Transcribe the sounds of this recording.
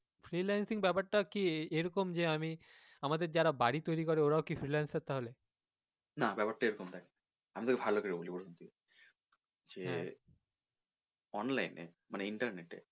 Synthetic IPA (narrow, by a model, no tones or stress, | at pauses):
fɾilajnsiŋbɛpaʈʈːakieɾɔkomd͡ʑeami | amad̪eɾd͡ʑaɾabaɽit̪ojɾikɔɾeoɾaokifɾilajnsaɾt̪aɦole | nabɛpaʈʈaeɾɔkomt̪ak | amit̪oɾkebʱalːokeɾebolipoɾt̪unt̪ike | d͡ʑe | ɔnlajnḛ | maneiɳʈɐɾneʈḛ